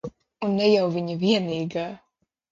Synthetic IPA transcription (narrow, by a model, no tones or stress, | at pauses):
unːɛjawviɲɐviɛniːɡaː